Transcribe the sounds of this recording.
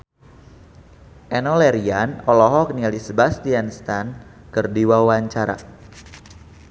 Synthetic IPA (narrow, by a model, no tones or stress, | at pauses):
ʔɛnɔlɛɾianɔlɔɦɔknialisəbast̪ianst̪an | kərdiwawaɲt͡ʃaɾa̰